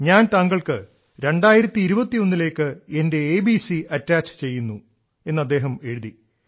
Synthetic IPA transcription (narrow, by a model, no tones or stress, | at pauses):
ɲaːnt̪ɐŋɡɐɭkɨ | ɾe̞ɳɖaːjiɾɐt̪ːiːɾubɐt̪ːio̞nːile̞ːkːɨende̞eːbisiɐtːaːt͡ɕɨ̥t͡ɕe̞jːunːu | e̞nːɐd̪ːe̞ːɦɐme̞ɻuði